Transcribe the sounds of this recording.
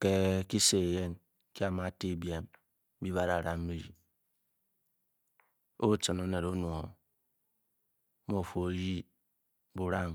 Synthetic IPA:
ke˦ki˦se˨je˦n | ki˦a˨ma˨˦ti˦˨bi˦e˨m˦ | bi˦βa˦ɾa˨ɾa˨m̩˦bi˦ɾḭ˨ | o˦t͡ʃɨ˨no˦ne˨ɾo˦nu˨o˨˦ | m˦o˦˨fo˨o˨ji˦ | bu˨ɾa˦ŋ

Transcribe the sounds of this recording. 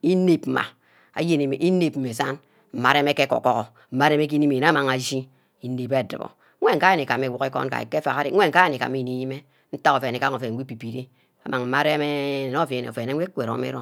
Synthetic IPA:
i˦ne˨p̩˨ma̰˨ | a̰˨˦je˦ne˨mḛ˨ʔi˦ne˨pm̩˦me˨sa˦n | m̩˨ma˨˦ɾe˦me˦ke˦ko̰˨kɔ˦ɣo˨ | m̩˨ma˦ɾe˦me˦k̬i˦ni˦me˨e˨na˦ma˨ŋa˨d͡ʒi˦ | i˦ne˨be˦˨dɨ˨bo̰˨˦ | e˦ŋ̩˨ka˦je˦ne˨ka˨me˨wu˨ke˦ko̰˦nka̰˨ḛ˨ke˦fa̰˨ɣa˦de˦e˦ŋ̩˨ka˦je˦ne˨ka̰˨mi˦˨ni˦ji˦me˦ | n̩˦ta˦ko˨fe˨ne˨ka˦ŋo˨fe˨i˦pi˨pi˨ɾi˦ | a̰˨ma˨ŋm̩˨ma˦ɾe˦me˦e˨no˦˨fnḛ˨o˨fe˨ne˦we˦kʷe˨ɾo̰˨˦mḛ˦ɾo˦

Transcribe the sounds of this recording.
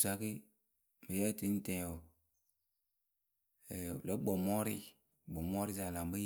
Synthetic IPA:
sa˦ki˦ | me˨jɛ˦˨ti˦n̩˦tɛ̃˨o˨ | ɛ˨lɔ˨˦ɡ͡bɔ˨mɔ˦ɾi˦ | ɡ͡bɔ˨mɔ˦ɾi˦za˨lã˨bi˦

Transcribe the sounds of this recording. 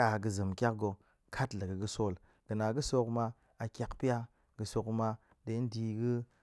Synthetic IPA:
a˨ɡɨ˧zɨ˨mkʲa˦k̚ɡo˧ | kʰa˦tlə˨ɡɨ˨ɡɨ˧so˦˨l | ɡ̥ɨ˨na˨ɡɨ˦so˧kma˧ | a˨˧kʲa˦kpi˦a˦ | ɡɨ˧so˧kma˧ | de˧˦n̩˦di˧ɡɨ˦

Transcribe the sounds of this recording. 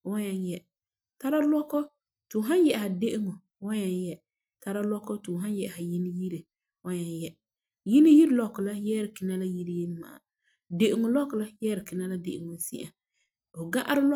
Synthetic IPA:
wa˦ɲɛ˦njɛ˦ | ta˦ɾa˦lɔ˦kɔ˦ | tʊ˨ɦa˦njɛ˨ʔha˨de˦ʔɪ˦ŋɔ˨ | wa˦ɲɛ˦njɛ˦ | ta˦ɾa˦lɔ˦kɔ˦tʊ˨ɦa˦njɛ˨ʔha˨ji˦ni˦ji˦ɾe˨ | wa˦ɲɛ˨njɛ˦ | ji˦ni˦ji˦ɾlɔ˨˦kːʊ˨la˦jɛː˦ɾɪ˨kɪ˨na˦la˦ji˦ɾi˦je˦lma̰˨a̰˨ | de˨ʔɪ˨ŋʊ˨lɔ˦kʊ˨la˦jɛː˦ɾɪ˨kɪ˨na˦la˦dḛ˨ʔɪ˨ŋʊ˨˦sḭ˦ʔa˨ | bʊ˨ɡa˦ʔa˦ɾɪ˦lɔ˦

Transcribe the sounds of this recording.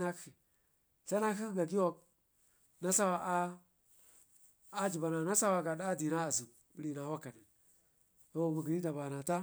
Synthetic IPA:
na˦ki˨ | sa˦na˦ki˦ɡa˨ɡi˦wo˦˨k̚ | na˦sa˦wa˨ʔ | d͡ʒi˨ba˨na˨na˦sa˦wa˦ɡa˨ɗa˦di˨na˦a˨zu˨k | bi˨ɾi˨na˨wa˦ka˨ni˨ | to˦˨mu˨ɡi˨i˦da˨ba˨na˨ta˦

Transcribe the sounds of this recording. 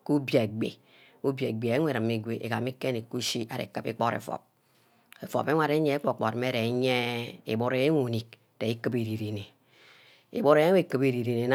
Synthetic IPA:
ku˦bja˨ɡ͡bḛ˨ | u˦bja˨ɡ͡be˨e˦ŋʷ˦e˨ɾɨ˨mːi˨ɡʷe˨ʔḛ˨ka˨mi˦ke˦ni˨ku˦ʃi˦ʔa˨ɾḛ˨kɨ˦pḭ˦k͡pɔ˦ɾḛ˨fɔ̰˨p̚ | e˨fo̰˨pe˦ŋʷa˦ɾe˦ɲe˦k͡po˦˨k͡po˨ɾm˦e˦ɾe˨˦ɲe˦ḭ˨bo˦ɾe˦e˦ŋu˨ni˨k̚ | te˨i˦kɨ˦pe˨ɾi˨ɾi˨ne˨ | ḭ˨bo˦ɾe˦e˦e˦˨kɨ˨pe˨ɾi˨ɾi˨ne˨˦n˦

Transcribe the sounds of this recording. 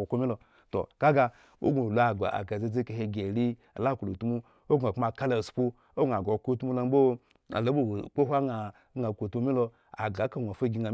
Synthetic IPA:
o˨ko˧mi˦lo˧ | to̰˨ka˦ɡa˧ | o̰˦ɡu˨lu˨˦a˨ɡa̰˨a̰˨ka˨ze˧ze˦ka˧˨he˧ɡe˨ɾi˦ | a̰˨la˦˨ku˨lu˨tu˦mu˧ | o˦ɡa˨km˦a˨ka˦la˨spu˧ | o˦ɡa˨ɡo˨ko˦tu˦mu˦lo˧m˦bo˦ | a̰˨lo˨˦bo˨k͡po˦ɦʷa˦ŋa˨˦ | ŋa˨kʷo˨tu˧mi˦lo˧ | a̰˨ɡa˨˦ka˦˨ŋʷ˨o˨fe˦˨ɡʲi˧ŋa˨˦

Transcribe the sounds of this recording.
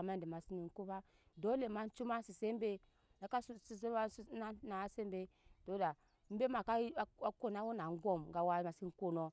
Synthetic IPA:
ma˦˨di˨ma˨si˦ni˨ŋ˦ku˦ba˦ | do˦le˨ma˦n˦t͡ʃu˦ma˦si˨se˦m˦be˦ | na˨ka˦si˨se˦a˦na˦na˨˦se˦mbe˦ | d̥o˦da˨ | m̩˦be˦ma˨ka˦a˦ko˦˨na˦wu˦na˨˦ɡo˦˨mɡa˨wa˦ma˨si˦ŋ˦ko˦no˦

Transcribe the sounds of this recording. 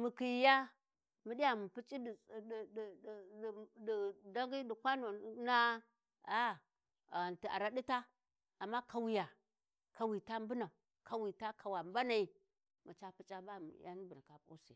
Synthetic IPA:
mu˨ki˨jja˦ | mi˨di˦ja˨mu˨pi˦t͡ʃʼi˦ddi˨da˦ŋɡi˦di˨kʷa˦no˨˦na˦ | a˦˨ | a˨n˨ti˨a̰˨ɾa˦ɗi˦ta˦ | a˨mːa˦ka˨wi˨ja˨ | ka˨wi˨ta˦m˦bu˦na˨ | kʰa˨wi˨ta˦kʰa˨wa˨m˦ba˦na˨i˨ | mu˨t͡ʃa˦pi˦t͡ʃʼa˦ba˦m˨ja̰˦n˦bi˨na˨ka˨pṵ˦sḭ˨

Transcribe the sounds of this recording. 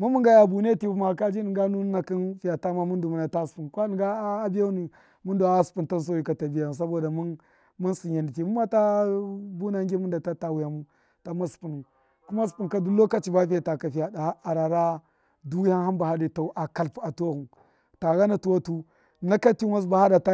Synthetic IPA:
mu˦mu˦ŋɡa˦ja˨bu˨ne˦ti˨u˦ma˨ka˦d͡ʒi˦ni˨ŋɡa˦nu˦na˨ki˦nfi˨ja˨ta˦ma˦mu˦ndu˨mu˦na˨ta˦spu˨nkʷa˦i˨ɡa˦bi˦ja˦u˦ni˨ | mu˦ndu˨a˦spu˨nta˦n˦s̬o˦ji˨˦ka˨ta˨bi˦ja˨u˨s̬a˦bo˨da˨m˦n | mu˦si˨a˨ndi˨ti˨mu˦ma˦ta˦bu˦na˦ŋɡʲi˦mu˦nda˨ta˦ta˦wu˨ja˨mu˦ | ta˦ma˦spu˨nu˨ | ku˦ma˦s̬u̥˨pu˨nka˦du˦lo˦ka˦t͡ʃi˨ba˦fi˦ja˨ta˨ka˨fi˨a˨˦a˨ɾa˨ɾa˦ | du˦ha˦nɦa˦mba˨ha˦di˨ta˨˦ʔa˨ka˨lpa˨to˦ɣu˨n | ta˨ɣa˦na˨tu˨wa˦tu˦ | na˦ka˦ti˦wa˦sba˨ha˦da˨ta˦

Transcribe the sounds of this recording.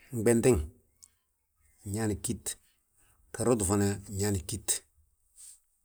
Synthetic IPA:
ŋ̩˨ɡ͡be˨nti˦ŋ˨ | ɲa˦ni˨ki˦t | ka˨ɾo˦du˨fa˨na˨ɲa˦ni˨ki˦t

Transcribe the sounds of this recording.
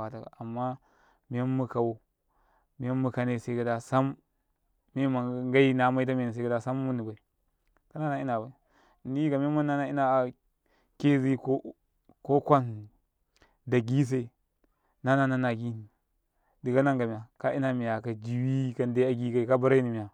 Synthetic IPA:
a˨ta˨ka̰˨a˨mːa˦ | mi˨a˦mːu˦ka˨wo˦ | mi˨ja˦mːu˨ka˨ne˦˨se˨˦ka˨da˦sa˦mː | e˦ma˨ŋɡa˦i˦na˦ma˦i˦t̬a˦me˨ni˨a˦ka˦da˦sa˦mːu˦ni˨ba˨i˨ | ka˦na˦na˦i˦na˨ba˨i˨ | n˦i˦ka˨m˦a˦ma˦a˦na˦i˦na˨ | ke˦zi˦ko˦ | ko˦kʷa˦n˨ | da˨ɡi˦s̬e˦˨ | na˦na˦na˦na˨ɡi˦ni˨ | di˨ɡa˦na˦ŋɡa˨mi˨ja˨ka˦ʔi˦na˨mi˨ja˨ka˨d͡ʒi˨wi˦ka˨n˦da˦a˦ɡi˦ka˨i˨ka˦ba˦ɾa˦ni˨mi˨ja˨

